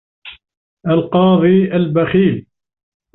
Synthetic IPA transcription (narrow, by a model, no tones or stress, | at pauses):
ʔalqɑːðˤiːʔalbaxiːl